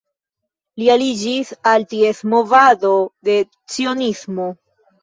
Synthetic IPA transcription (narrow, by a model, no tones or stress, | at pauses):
lialid͡ʒisaltie̞smo̞vado̞de̞ | t͡sio̞nismo